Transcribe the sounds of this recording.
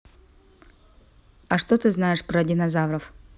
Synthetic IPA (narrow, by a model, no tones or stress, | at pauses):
ɐʂt̪ot̪ɨznajɪʂpɾɐdʲɪnɐzavɾɐf